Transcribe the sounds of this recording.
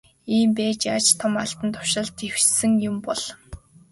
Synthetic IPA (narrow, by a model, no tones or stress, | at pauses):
iːmpæːt͡ɕat͡ɕt̪ʰɔmaɬt̪ə̆nt̪ʰʊ̥ʃə̆ɮt̪ʰew̥sɘ̆ŋjʊmpɔɮ̥